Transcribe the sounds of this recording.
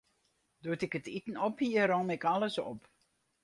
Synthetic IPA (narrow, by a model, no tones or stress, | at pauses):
dutɪkətitən̩ɔphiəɾɔmɪkaləsɔ̰p